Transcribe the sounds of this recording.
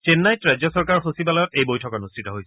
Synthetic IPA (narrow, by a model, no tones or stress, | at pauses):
t͡ʃenːajtɹazjɔsɔɹkaɹxosibalɔjɔtejbojtʰɔkɔnustʰitɔɦojsɛ